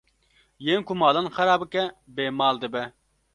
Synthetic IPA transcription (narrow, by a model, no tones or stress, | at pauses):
jeŋkumɑːlˠɑnχɛɾɑːbɨkʲɛbemɑːlˠd̪ɨbɛ